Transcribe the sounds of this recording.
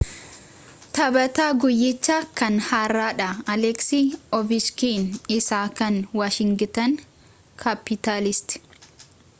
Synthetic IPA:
t̪ɐbɐt̪aːɡʊjːɪt͡ʃːakɐnhaːrːaːᶑɐɐlɛksiːɔbɪskiːnɪsaːkɐnwaːʃɪŋɡɪt̪ɐn | kʰɐpːɪt̪aːlɪst̪ɪ̥

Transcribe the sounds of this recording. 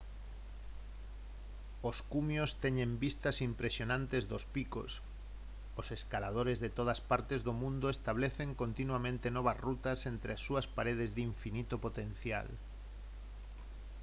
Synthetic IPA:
oskumjost̪ɛɲẽmbist̪asimpɾesjonãnt̪ezðospiko̰s | oseskalað̞oɾezðet̪oð̞aspaɾt̪ezðomũnd̪oest̪aβleθeŋkont̪inwamẽnt̪enɔβ̞ɐzrut̪ɐsent̪ɾeasːuɐspaɾeð̞ezðiɱfinit̪opot̪ẽnθja̰l

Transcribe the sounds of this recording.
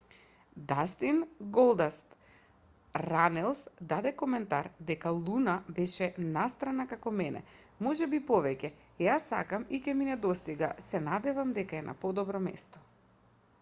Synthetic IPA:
d̪ast̪inɡɔlˠd̪ast̪ | ɾanɛlˠsd̪ad̪ɛkɔmɛnt̪aɾd̪ɛkalˠunabɛʃɛnast̪ɾanakakɔmɛnɛ̰ | mɔʒɛbipɔvɛcɛ | jasːa̰kamicɛminɛd̪ɔst̪iɡa̰sɛnad̪ɛvamd̪ɛkaɛna̰pɔd̪ɔbɾɔmɛ̰st̪ɔ̥

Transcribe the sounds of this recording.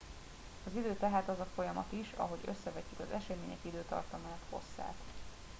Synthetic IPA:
ɒzid̪øːt̪ɛɦaːt̪ɒzɒfo̞jɒmɒ̰t̪iʃɒ̰ɦo̞ɟø̞sːɛvɛcːykɒzɛʃɛmeːɲɛ̰kid̪øːt̪ɒ̰rt̪ɒmaːnt̪ho̞̰sːa̰ːt̪

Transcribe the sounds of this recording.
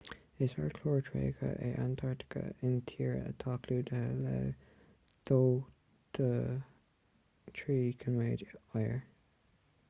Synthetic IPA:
ɪsaɹkʰloːɹtʰɹḛːkʰə̰ʔɛʔant̪ʰaɹt̪ɪ̥kə̰ɪnt̪ʰiːɹə̰t̪ʰɑːkʰluːd̪əhəlɛ̰ | d̪̥oː | d̪̥ə | tʰɹiːkʰənweːdɔjə̰ɹ

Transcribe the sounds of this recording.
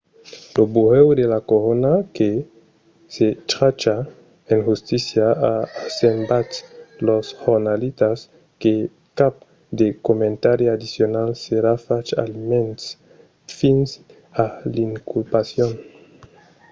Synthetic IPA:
lobuʁewd̪elakoɾonake | set͡ʃɾat͡ʃa | enʝust̪isjaasembatloshoɾnalit̪as | ke | kap̚ | d̪ekomẽnt̪aɾiad̪isjonalseɾafat͡ʃa̰limens | fins | aliŋkulpasjon

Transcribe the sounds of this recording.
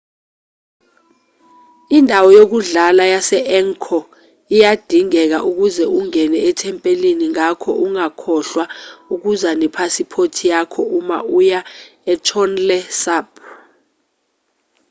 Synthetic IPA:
indʱawɔjok̬uɮalajasɛʔɛŋkʰɔ | ijad̥ʱiŋɛk̬a̰ʔuk̬uzɛʔuŋɛnɛɛtʰɛmpʼeliniŋakʰɔʔuŋakʰɔɬwauk̬uzanɛpʰasipʰotʰijakʰɔʔuma̰ʔujaɛtʰɔnlɛsab

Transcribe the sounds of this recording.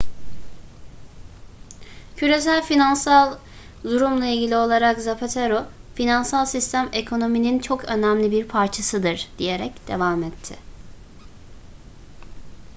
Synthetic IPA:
cʰyɾe̞sælʲfinansalˠ | d̪uɾumlˠailʲɟilʲio̞lˠaɾakzapʰet̪ʰeɾofinansalˠsist̪ʰæme̞kʰo̞no̞minint͡ʃʰo̞kʰø̞næmlʲibiɾpʰaɾt͡ʃʰasɯd̪ɯɾd̪̥ije̞ɾɛcd̪̥e̞vaːmɛt̪ʰːɪ̰

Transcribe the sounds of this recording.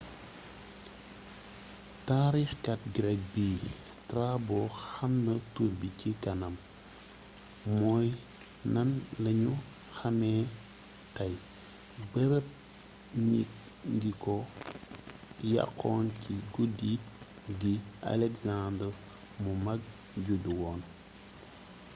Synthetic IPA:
taːɾixkɐt̚ɡɾɛk̚bistrabɔxɐmnɐtuɾbicikɐnɐm | mɔːj | nɐnlɐɲu | xɐmɛ | tɐj | bəɾɛp̚ | ɲi | ŋɡikɔ | ja̰qʰːɔːnciɡudi | ɡia̰lɛkzandr | mumɐɡ̚ | ɟuduwɔːn

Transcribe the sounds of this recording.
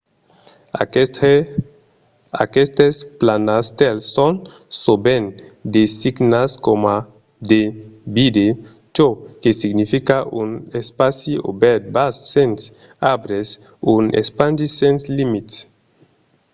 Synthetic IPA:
akest̪esplanast̪elːon | sobend̪esiɡnaskoma | d̪ebid̪e | t͡ʃokesiɡnifikaʔunespasio̰bɛɾt̪̚basːens | abɾes | unḛspandisẽnslimit̪s

